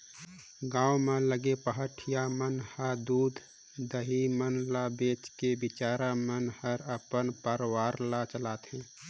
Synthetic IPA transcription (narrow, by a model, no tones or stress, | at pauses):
ɡãːwmẽləɡepəɦəʈʰijamənhəd̪uːd̪ʱ | d̪əɦimənlabeːt͡ʃkebɪt͡ʃaːɾamənhəɾəpənpəɾwaːɾlat͡ʃəlaːt̪ɦɛ̃ː